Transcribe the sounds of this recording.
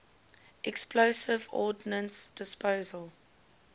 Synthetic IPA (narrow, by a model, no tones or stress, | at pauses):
ʔɛksplosɪvɔ̰ːdnə̃nsd̥ɪspoːzəlˠ